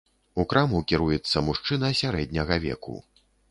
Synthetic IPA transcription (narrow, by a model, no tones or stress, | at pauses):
ukɾamukʲiɾujɛt̪sːɐmuʂt͡ʂɨnɐsʲaɾɛd̪̚ʲnʲɐɣɐvʲɛ̰kṵ